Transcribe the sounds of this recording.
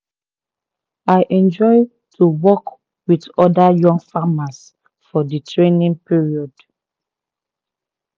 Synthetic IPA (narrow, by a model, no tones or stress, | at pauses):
ajʔɛ̃nd͡ʒɔɪ | tʰuwɔk | widɔdajɔ̃ŋɡfamas | fɔditʰɹẽnĩŋpiɹiɔd